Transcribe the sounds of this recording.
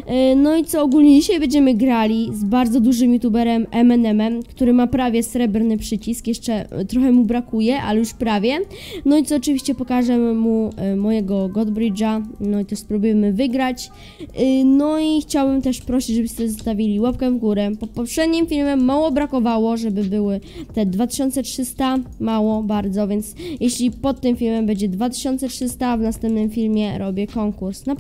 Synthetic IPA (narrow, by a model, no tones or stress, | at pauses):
nɔit̪sɔːɡulɲɛd͡ʑiɕajbɛɲd͡ʑɛmɘɡɾalʲizbaɾd̪zɔd̪uʐɘmjut̪ubɛɾɛmɛmɛnɛmɛmkt̪uɾɘmapɾavʲjɛsɾɛbɾnɘpʂɘt͡ɕiskjɛʂt͡ʂɛt̪ɾɔxɛmubɾakujɛʔalɛjuʂpɾavʲjɛnɔit̪ɔːt͡ʂɨvʲiɕt͡ɕɛpɔkaʐɛmumɔjɛɡɔɡɔd̪bɾɘd͡ʐanɔit̪ɛʂspɾubujɛmɘvɘɡɾat͡ɕ | nɔixt͡ɕawbɘmt̪ɛʂpɾɔɕid͡ʑʐɛbɘɕt̪ɛzɔst̪avʲilʲiwapkɛvɡuɾɛpɔt̪̚pɔpʂɛd̪ɲimfʲilmɛmːawɔbɾakɔvawɔʐɛbɘbɘwɘt̪ɛd̪vat̪ɘ̥ɕɔnt̪sɛtʂɘst̪amawɔbaɾd̪zɔvʲjɛnt̪sjɛɕlʲipɔt̪ːɘmfʲilmɛmbɛɲd͡ʑɛd̪vat̪̬ɘ̥ɕɔnt̪sɛtʂɘst̪avnast̪ɛmp̚nɘmfʲilmʲjɛɾɔbʲjɛkɔŋkuɾsna